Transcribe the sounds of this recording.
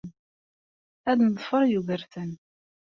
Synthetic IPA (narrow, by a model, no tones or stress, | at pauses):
æðnðˤfəɾˤjuɣəɾθən